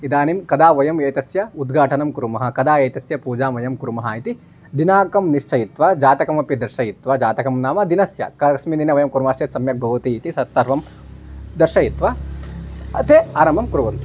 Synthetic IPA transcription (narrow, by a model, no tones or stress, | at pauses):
id̪aːnimkɐd̪aːʋɐjɐmjɐjt̪ɐsjɐud̪ɡʱaːʈɐnɐmkuɾumɐɦɐ̆kɐd̪aːjɐjt̪ɐsjɐpuːd͡ʒaːmɐjɐmkuɾumɐɦait̪i | d̪inaːkɐmniʃt͡ʃʰɐjit̪ʋad͡ʒaːt̪ɐkɐmɐpid̪ɐɾʃɐjit̪ʋɐd͡ʒaːt̪ɐkɐmnaːmɐd̪inɐsjɐ̰kɐʃmininɐʋɐjɐmkuɾmaːʃjɐt̪sɐmjɐk̚bʱɐʋɐt̪iːt̪isɐt̪sɐɾʋɐm | d̪ɐɾʃɐjit̪ʋɐ | ɐt̪ʰeaːɾɐmɐmkuɾuʋɐm